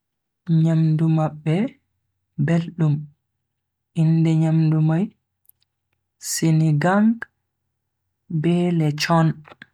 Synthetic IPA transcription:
ɲamdumaɓːɛ | belɗum | ʔindɛɲamdumaj | siniɡaŋɡ | bɛːlɛt͡ʃɔn

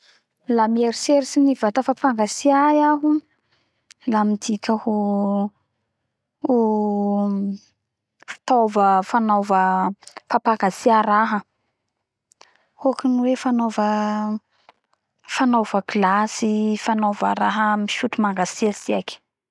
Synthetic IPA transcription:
lameɾiseɾisinivat̪əfapaŋɡasiajaɦu | lamid̪ikʲəhu | u | fi̥t̪ovəfanovəfapaŋɡasiaɾaɦə | uakiniwefanovə | fanovəɡilasifanova̰ɾaɦəmiʃutumaŋɡasiasiakʲi̥

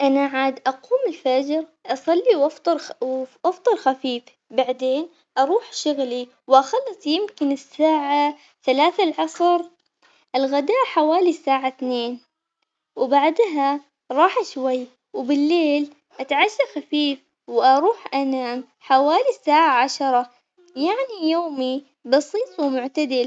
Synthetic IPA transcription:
ʔanaʕaːd̪ʔɑquːmɪlfad͡ʒɾʔɑsˤɑlːiwɑft̪ˤɑɾʔɑft̪ˤɑɾˤxafiːf | baʕd̪eːn | ʔɑɾˤuːħʃʊɣli | wʔaxɑlːɨsˤjɪmkɪnɪsːaːʕa | θalaːθalʕɑsˤɾ | ʔɪlɣad̪aːʔħawaːlisːaːʕaθneːn | wbaʕd̪ɦa | ɾˤɑːħaʃwajː | wbɪlːeːl | ʔat̪ʕaʃːaxafiːf | wʔɑɾˤuːħʔanaːm | ħawaːlisːaːʕaʕaʃɑɾˤɑ | jaʕnijoːmi | bɑsiːt̪ˤwɪmʊʕt̪ad̪ɪl

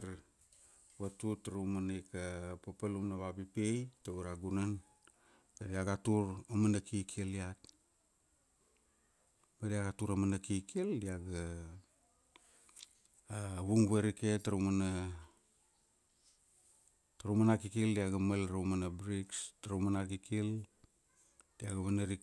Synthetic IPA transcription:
ɾ | watutaɾumanajkapapalumnaβapipejtaβaɾaɡunan | tadiaɡatuɾamanakikʰeliat̚ | badiaɡatuɾamanakikʰildiaɡa | βuŋβeɾiketaɾumana | taɾumanakikildiaɡamalɾumanabɾikstaɾumanakikil | d̥iaɡaβanaɾi

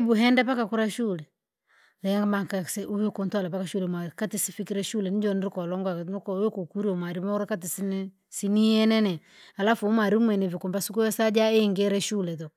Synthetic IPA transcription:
ɛbuɦɛndapakakuɾaʃulɛ | lɛŋɡamakasuwɛkuntwalapakaʃulɛmakatisifikiɾɛʃulɛnid͡ʒɔniɾikɔlɔŋɡankɔwɛkukuɾiɔmwaɾimaɾakatisinɛ | sinijɛnɛnɛ | alafumwaɾimwɛnɛvikumbasukujɔsad͡ʒaeŋɡɛɾɛʃulɛtɔ

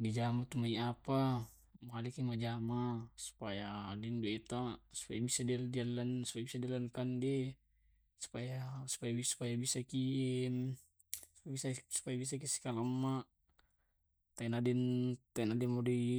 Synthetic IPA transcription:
did͡ʒamat̪umaiapa | malikimad͡ʒamasu̥pajaːdinduit̪asu̥pajabisadildialansu̥pajabisadialankandɛ | su̥pajasu̥pajabisu̥pajabisaki | u̥bisasu̥pajabis̬akisi̥kalamːa | t̪ainadɛnt̪ainadɛnmɔdi

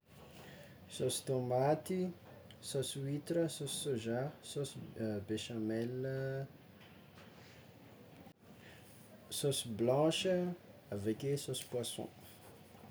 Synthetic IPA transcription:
sosi̥t̪omat̪i | soswit̪ɾəsossoʒasosbeʃãmɛl | sosblɑ̃ʃəavɛkʲesosi̥pwasɔ̰̃

